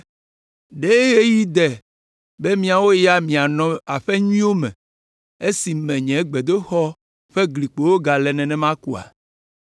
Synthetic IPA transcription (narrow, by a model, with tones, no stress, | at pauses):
ɖe˦ɣe˦ji˦d̪ɛ˨ | be˦mĩ˨a˨wo˦ja˦mĩ˨a˨nɔ̃˨a˨ɸɛ˦ɲuĩ˦wo˦mɛ̰̃˨ | e˦si˨mɛ̃˨ɲɛ̃˨˦ɡ͡bɛ˨d̪o˦xɔ˦ | ɸɛ˦ɡli˨k͡po˨wo˦ɡa˨lɛ˨nɛ̃˨nɛ̃˦mã˦ku˦a̰˨